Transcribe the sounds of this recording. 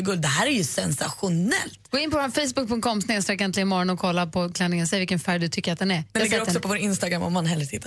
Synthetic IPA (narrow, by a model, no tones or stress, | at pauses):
ɡɵld̪d̪ɛɦæːɾæɾjɵsɛnsaɧʊnɛ̰lt̪ɡoːɪnpɔvafɛjsbɵk̚pʰɵŋt̪kʰɔmsneːst̪ɾɛkːɛnt̪ɪlɪmɔɾɔnɔkʰɔlːapʰɔkʰlɛnːɪŋənsɛvɪlkənfæɖɵt̪ʰʏkːəɾat̪̚d̪ɛnæɾɛnaɛɡɾɔsɔpɔvoːɾɪnst̪aɡɾamːɔ̰mːanɦɛlːəɾtʰɪt̪ːa